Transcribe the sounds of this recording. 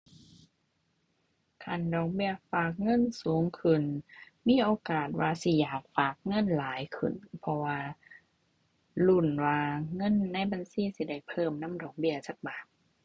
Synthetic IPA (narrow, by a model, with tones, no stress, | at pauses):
kʰa˧˩˨ndɔː˨˩ŋbi˧˩ɐfaː˨˩k̚ŋɤ˧˥˨nsuː˨˦ŋkʰɯ˨˩nmiː˧˥˨ʔoː˧kaː˨˩t̪̚waː˧si˧˩jaː˨˩k̚faː˨˩k̚ŋɤ˧˥˨nlaː˨˦jkʰɯ̰˨˩npʰɔ˧waː˧ | lu˧˩˨nwaː˧ŋɤ˧˥˨nːa˧˥˨jba˧˨nsiː˧˥˨si˧˦da˧˩jpʰɤː˧˩˨mna˧˥˨mdɔː˨˩ŋbi˧˥ɐsa˧˩k̚baː˨˩k̚